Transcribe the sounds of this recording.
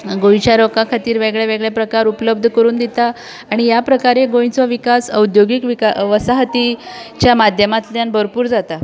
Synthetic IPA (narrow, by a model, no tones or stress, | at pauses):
ɡojt͡ɕjaɾokakʰat̪iːɾʋeɡɭjaʋeɡɭjapɾəkaɾupələb̚d̪ʱəkəɾuːnd̪it̪aː | ɽ̃ijapɾəkaɾeɡojt͡sɔʋikasəud̪joɡikʋikaʋəsaɦət̪it͡ɕjamad̪ʱjəmat̪ljanbʱəɾpuːɾd͡zat̪a